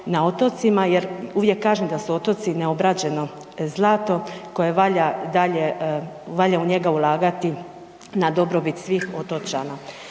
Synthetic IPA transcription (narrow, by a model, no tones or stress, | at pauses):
nao̞t̪ot̪simajeɾuːʋje̞kːaːʒemd̪asuo̞t̪o̞t̪sineo̞bɾad͡ʑe̞no̞ | zlˠaːt̪o̞ko̞jeʋaʎad̪aʎe | ʋaʎauɲe̞ɡaulˠaːɡat̪i | nad̪o̞bɾo̞bit̪sʋiːxo̞t̪o̞t͡ʃa̰na